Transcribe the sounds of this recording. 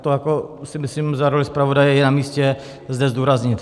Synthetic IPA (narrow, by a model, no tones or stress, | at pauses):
t̪ojakosɪmɪslimzaɾolɪspɾavodajɛjɛnamiːscɛ | zdɛzduːɾazɲɪt̪